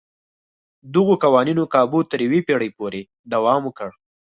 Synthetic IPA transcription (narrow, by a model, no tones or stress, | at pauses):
d̪əɣokawɑninokɑbut̪əɾjwepeɽəjpoɾe | d̪awɑmokəɽ